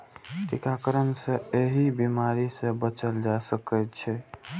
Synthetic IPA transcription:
ʈikakəɾənsẽeɦibimaɾisẽbət͡ʃəld͡ʒasəkət̪t͡ʃʰɛ

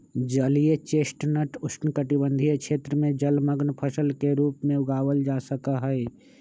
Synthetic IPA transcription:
d͡ʒəlijet͡ʃeːsʈnəʈʊsnkəʈɪbə̃nd̪ʱijekʃʰeːt̪ɾəmẽd͡ʒəlməɡnpʰəsəlkeɾuːpmẽʊɡaːwəld͡ʒaːsəkaɦɛe

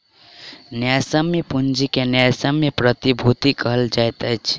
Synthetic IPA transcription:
njajsəmːepund͡ʒikenjasəmːepɾət̪ibʱut̪ikəɦəld͡ʒajt̪ət͡ʃʰ

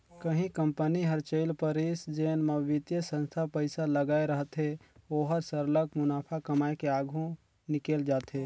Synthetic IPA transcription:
kəɦĩkəmpəniɦəɾt͡ʃəɪlpəɾɪsd͡ʒeːnmaʋɪt̪jəsə̃nst̪ʰapəɪsaləɡaːeɾəɦt̪ɦeoːɦəɾsəɾləkmʊnaːpʰakəmaːekeaːɡʱũ | nɪkeːld͡ʒaːt̪ɦeː

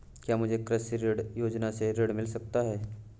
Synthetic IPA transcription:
kjaːmʊd͡ʒʱekɾəsɾɪɽjoːd͡ʒnaseɾɪɽmɪlsɐk̚t̪aɦɛː

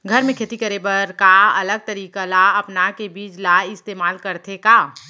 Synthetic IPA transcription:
ɡʱɐɾmẽkʰeːt̪ikɐɾebɐɾkaɐləɡ̚t̪ɐɾiːkalaɐpnakebiːt͡ʃlaɪst̪eːmaːlkɐɾt̪ʰekaː

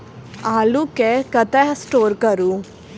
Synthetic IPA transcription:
aːlukekɐt̪ɛɦsʈoːɾkɐɾu

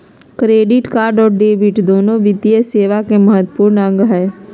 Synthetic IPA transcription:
kɾeːɖɪʈkaːɾɖɔːɾɖeːbɪʈd̪oːnõʋɪd̪ijəseːʋakeməɦət̪ːəpuːɾnə̃ŋɡɦɛː

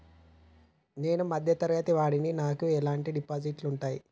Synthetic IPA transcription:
neːnumɐd̪ʱjɐt̪ɐɾjaːt̪iʋaːɽininaːkuɛlaːɳʈiɖipaːd͡ʒiʈluɳʈaːji

